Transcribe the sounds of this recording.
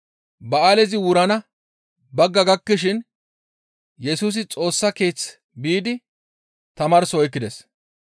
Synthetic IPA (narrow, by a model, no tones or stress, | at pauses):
bɐaːlɛzɪwʊɾɐnɐ | bɐɡːɐɡɐkːɪʃɪn | jɛsuːs̬ɪt͡sʼo̞ːsːɐke̞ːt͡s | biːd̪ɪ | t̪ɐmɐːɾsɔɔjkːɪd̪ɛs